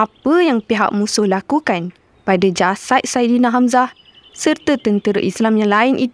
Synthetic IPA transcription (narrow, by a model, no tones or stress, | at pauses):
ʔapəjaŋpiɦa̰k̚mũsʊhlakukan | padad͡ʒasat̪̚saidinãɦamzah | sərt̪ət̪ənt̪əɾə̰ʔislamjaŋlainʔit̪